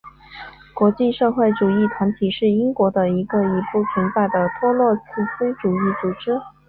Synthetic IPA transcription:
kwɔ˧˥t͡ɕi˥˧ʂɤ˥˧xwe˥˩ɪʈ͡ʂu˨˩i˥˩t̪ʰwa˧˥nt̪ʰi˨˩ʂɻ̩˥˩i˥ŋkwɔ˧˥d̪ə˧i˧˥ɡə˧i˧˥pu˥˩pʰi˧˥nt͡sa˥˩ɪd̪ə˩t̪ʰwɔ˥lwɔ˥˧t͡s̩ʰ˥˩s̩˥ʈ͡ʂu˨˩i˥˩t͡su˨˩ʈ͡ʂɻ̩˥

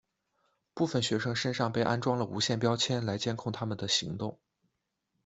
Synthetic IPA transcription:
pu˥˩fə˨˩nɕɥɛ˧˥ʂɤ˥ŋʂə˥nʂɑ˥˧ŋpe˥˩ɪʔa˥nʈ͡ʂwɑ˥ŋlə˨u˧˥ɕjɛ˥˩npjɑ˥ʊt͡ɕʰjɛ˥nla˧˥ɪt͡ɕjɛ˥nkʰʊ˥˩ŋt̪ʰa˥mə˨nd̪ə˩ɕḭ˧˥ŋt̪ʊ˥˩ŋ

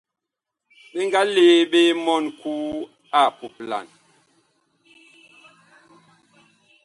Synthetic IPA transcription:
ɓe˦ŋɡa˦leː˦ɓe˦mɔ˦nkuː˦ | a˦˨pu˨pla̰˨n

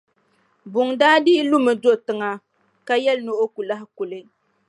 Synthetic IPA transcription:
bʊ˨ŋdaː˦di˦lu˦mɨ˨do˦ʔtɨ˨ŋa˦ | ka˦jɛ˦lno˦ʔo˦ku˨la˦ɦɪ˦ku˨lɨ˦

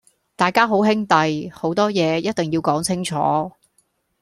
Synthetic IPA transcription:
t̪aː˨˩jkaː˥ɦo˨˥wɦɪ˥ŋt̪ɐ˨jho˨˥wt̪ɔː˥jɛː˨˧jɐ˥t̚t̪ɪ˨ŋjiː˧wkɔː˨˥ŋt͡sʰɪ˥ŋt͡ʃʰɔ̰ː˨˥

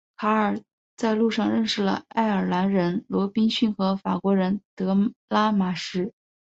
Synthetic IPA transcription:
kʰa˧˥ə˞˨˩ | t͡sa˥˧ɪlu˥˧ʂɑ˥˧ŋɻə˥˧nʂɻ̩˥˩lə̰˩a˥˩ɪə˞˨˩la˧˥nɻə˧˥nlwɔ˧˥pi˥ŋɕy˥˩nxɤ˧˥fa˨˩kwɔ˧˥ɻə˧˥nt̪ɤ˧˥la˥ma˨˩ʂɻ̩˥˩

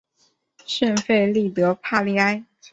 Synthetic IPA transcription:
ʂə˥˧nfe˥˧ɪli˥˩t̪ɤ˧˥pʰa˥˧li˧˥a˥ɪ

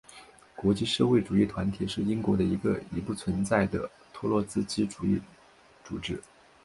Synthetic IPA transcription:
kwɔ˧˥t͡ɕi˥˧ʂɤ˥˧xwe˥˩ɪʈ͡ʂu˨˩i˥˩t̪ʰwa˧˥nt̪ʰi˨˩ʂɻ̩˥˩i˥ŋkwɔ˧˥ɾə˧i˧˥ɡə̰˧i˧˥pu˥˩t͡sʰwə˧˥nt͡sa˥˩ɪd̪ə˩ | t̪ʰɔ˥lwɔ˥˧t͡sɹ̩˥˧t͡ɕi˥ʈ͡ʂu˨˩ḭ˥˩ | t͡su˨˩ʈ͡ʂɻ̩˥

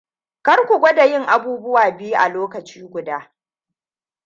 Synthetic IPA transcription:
kɐ˦rkʷʊ˨ɡʷɔ˦da˨jɪ˦˨ŋʔa˨buː˦bʊ˦waː˨bɪ˦jʔa˨loː˦kɐ˨t͡ʃiː˦ɡʷʊ˨daː˦

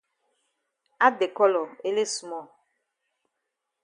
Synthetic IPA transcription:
a˦de˨kɔ˦lɔ˨e˦le˦su˨mɔ˦˨

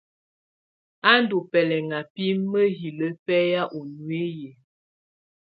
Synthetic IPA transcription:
a˦n˦du˨pɛ˨lɛ˨ŋa˨pi˦mmə˦ɦi˨lə˦pɛ˦ja˦ʔo˨nwe˦je˨

